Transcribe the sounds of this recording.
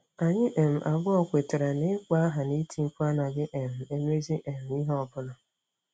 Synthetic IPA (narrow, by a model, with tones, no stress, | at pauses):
a˨ɲɪ˦ʔe˨m̩˨ʔa˨ɡʊ˦ɔ˨kʷe˨te˨ɾa˨ne˦kʷa˦ɦa˨ni˦ti˨˦ŋ͡m̩˦ku˦a˦na˨ɡɪ˦ʔe˨m̩˨e˦me˦zi˦ʔe˨m̩˨i˦ɦɔ˨bʊ˦na˨